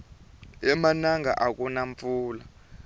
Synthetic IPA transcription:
ɛmanaŋɡa̰ʔak̬ʼunaɱfuːla

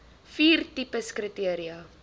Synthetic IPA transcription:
fiːrtipəskrətiəɾiɐ

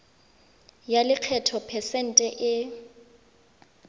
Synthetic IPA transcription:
jalɪq͡χʰɛtʰɔpʰɛsɛn̩tʼɛʔɪ

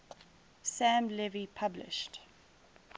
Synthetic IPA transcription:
sæ̃mlɛvipʰablɪ̰ʃt

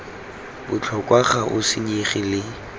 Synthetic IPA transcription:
bʊt͡ɬʰɔkʼwaχaʔʊsɪɲeχɪlɪ

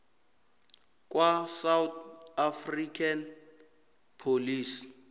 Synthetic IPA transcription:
kʼwasawt̪afrikʰʼan | pʰoliːsi̥

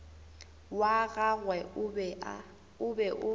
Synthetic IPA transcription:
waɣaɣwɛ | ʊbɛʔʊ

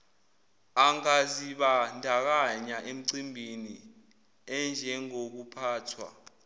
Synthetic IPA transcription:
aŋaziɓandʱak̬aɲaʔem̩ǀimbʱini | ɛnd͡ʒʱɛŋok̬upʰaːtʰwa̰

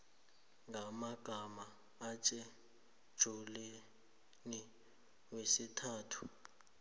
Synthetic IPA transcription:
ŋʱamaɡ̥ʱamaː | t͡ʃʼɛ | d̥ʒ̥ʱulɛ | ni | wesitʰaːtʰu̥

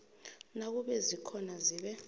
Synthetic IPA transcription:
nak̬uɓɛzikʰɔnaziɓɛ

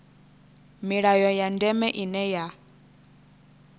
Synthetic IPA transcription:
miɺajɔjandɛmɛʔinɛja

